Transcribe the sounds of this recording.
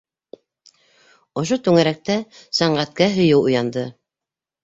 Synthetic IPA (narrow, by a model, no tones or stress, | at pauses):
ŏʃ̬ot̪ʉŋæɾæk̚t̪æsɑɴɢæt̪̚kæɦɵ̆jɘwṵ̆jɑnd̪ɤ